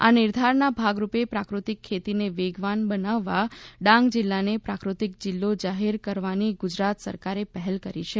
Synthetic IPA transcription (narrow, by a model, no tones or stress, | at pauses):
a̰nɪɾd̪ʱaɾnabʱaɡɾupepɾakɾut̪ikʰːet̪ineʋeɡʋanbənaʋːaɖãŋɡd͡ʒɪlːanepɾakɾut̪ik̚d͡ʒɪlːod͡ʒaɦeɾkəɾʋaniɡʊd͡ʒɾat̪sə̰ɾkaɾepəɦɛlkəɾit͡ʃʰe